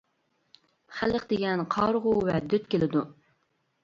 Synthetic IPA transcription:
χælːɪχd̪eɡʲɛnqʰɑɾʁʊwɛd̪yt̪kʲelɪd̪u

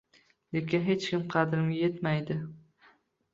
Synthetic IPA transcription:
lekʲɪnɦe̞t͡ʃkʲɪmqʰɑd̪ɾɪmʲajet̪majd̪ɪ

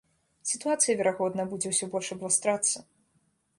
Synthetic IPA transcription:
sʲit̪uat̪sɨjɐvʲɛɾaɣɔd̪nɐbud͡zʲɛwsʲɔbɔlʲʂɐblˠast̪ɾat̪sːɐ

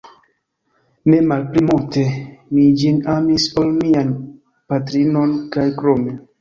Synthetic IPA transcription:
memalplimulte̞mid͡ʒinamisolmian | pat̬ɾino̞nkajkɾome

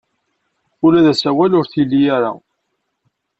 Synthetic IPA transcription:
ʊlæðæsæwælʊɾθilːijaɾa̰

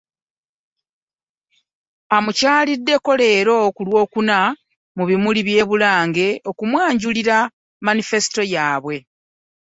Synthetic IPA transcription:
amucaːlidːe̞ko̞le̞ːɾo̞kulwo̞ːkuna | muβimuliβje̞ːβulaːŋɡe̞o̞kumwaːɲɟuliɾa | manife̞si̥to̞jaːβwe̞

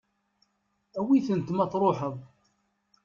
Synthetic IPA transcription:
æwiθənt̪mɑθɾˤoħəðˤ

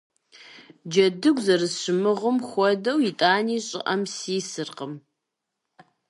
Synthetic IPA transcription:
d͡ʒɐdɨɡʷzɐrɨɕɪmɨʁəmxʷɔdɐwjitʼaːniːɕʼɪ̰ʔɐmsiːsɨrqəm

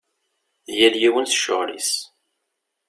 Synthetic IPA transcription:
ðjæljiwənθə̥ʃːʊʁlḭs

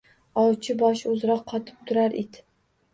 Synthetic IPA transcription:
ɒwt͡ʃʰɪbɒʃɵzɾɒqʰːɒt̪ʰɪ̥p̚t̪ʰʊɾaɾʔid̪

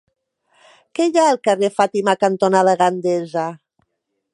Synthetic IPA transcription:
keʎaəlkarefat̪imakant̪onaðaɣɾand̪eza

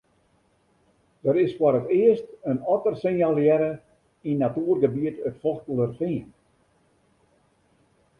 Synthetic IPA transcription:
d̥əɾɪsfɔɾətɪəstənɔtərsɪŋjalˠjɛɾə | inːatyːrɡəbiətətfɔxtələrfiən

